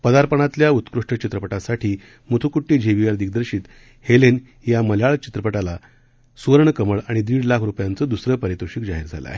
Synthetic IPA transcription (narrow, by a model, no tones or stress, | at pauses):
pəd̪aɾpəɳ̃at̪ljaut̪kɾuʂʈət͡ɕit̪ɾəpəʈasaʈʰiː | mut̪ʰukuʈːiːd͡ʑʱeʋiʋaɾd̪iɡ̚d̪əɾɕiːt̪ | helen | jaməlaɭt͡ɕi̥t̪ɾəpəʈala | suəɾɳkəməɭaɽ̃id̪iːɽlakʰɾupjant͡səːd̪usɾəpəɾit̪uɕikd͡zaɦiɾd͡zʱa̰la̰